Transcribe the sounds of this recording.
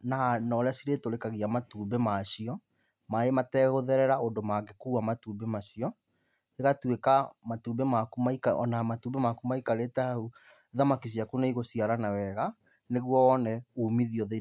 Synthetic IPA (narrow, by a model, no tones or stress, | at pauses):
nanɔɾeasiɾetoɾekaɣiamatuːbɛmaɕiɔ | maematɛːɣoðɛɾɛɾaondomaɡekuːamatuːbemaɕiɔ | eɣatwekamatumbemakumaikaɔ̰namatuːmbɛmakumaikaɾetaau | ðamakis̬iakunaiɣosiaɾanawɛɣa | neɣwɔwɔnɛumiðiɔðe